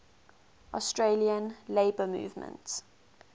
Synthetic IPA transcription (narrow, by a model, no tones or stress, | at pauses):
ʔɔ̰stɹeliə̃nleɪbəmṵːvmə̰̃nts